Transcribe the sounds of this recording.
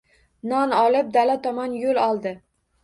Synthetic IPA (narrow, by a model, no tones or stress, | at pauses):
nɒnɒlˠɪp̚d̪alat̪ʰɒmɒnjolɒlˠd̪ɪ